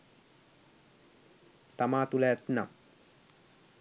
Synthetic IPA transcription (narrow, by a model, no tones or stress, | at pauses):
t̪amaːt̪uləæt̪na̰m